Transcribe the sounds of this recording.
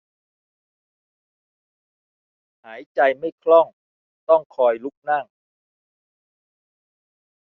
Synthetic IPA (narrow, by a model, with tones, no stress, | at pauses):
haː˩˦jt͡ɕa˧jma˥˩jkʰlɔ˥˩ŋ | t̪ɔ˥˩ŋkʰɔː˧jlu˦˥k̚na˥˩ŋ